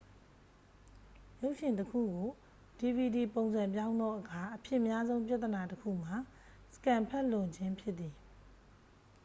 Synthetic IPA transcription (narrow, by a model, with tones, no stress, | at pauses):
jo˦ʊʔʃɪ̃˨ntəkʰṵ˦˨ɡo˨ | di˨bi˨di˨põ˨ʊ̃nzã˨mpjã˦ʊ̃nd̪ɔ˦ʔəkʰa˨ʔəpʰjɪ̃˦ʔmja˦zõ˦ʊ̃pja˦t̪ːə˨na˨təkʰṵ˦˨m̥a˨ | sə̥kã˨mpʰɛ˦ʔlʊ̃˨ɲd͡ʑɪ̃˦mpʰjɪ˦ʔt̪ːi˨